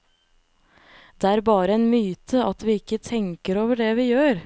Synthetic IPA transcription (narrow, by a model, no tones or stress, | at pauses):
d̪̥ɛæːɾbɑːɾəɛnmyːt̪ʰəɑt̪ʋɪɪkːət̪ʰɛŋkəɾoːʋəɖɛʋɪjøːɾ